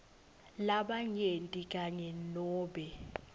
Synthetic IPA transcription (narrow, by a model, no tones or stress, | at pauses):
laɓaŋentʼikʼaɲɛlɔːɓɛ